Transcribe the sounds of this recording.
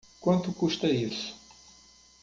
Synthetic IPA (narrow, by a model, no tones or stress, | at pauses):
kwɐ̃nt̪ukuʃt̪ɐisu̥